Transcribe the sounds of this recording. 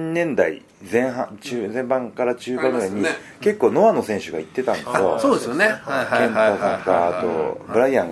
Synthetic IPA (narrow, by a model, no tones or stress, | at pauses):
ɲnẽ̞nd̪aḭ | zẽ̞ɰ̃ɦãt͡ɕɨːzẽ̞mbãŋkaɾat͡ɕɨːkanoẽɲ̟ːi | ke̞kːo̞ːno̞βano̞sẽɰ̃ɕɨɡait̪ːe̞t̪ãnd̪esd̪o̰soːd̪esjonekẽnosãŋkaːt̪o̰bɯ̟ɾaiːãŋɡ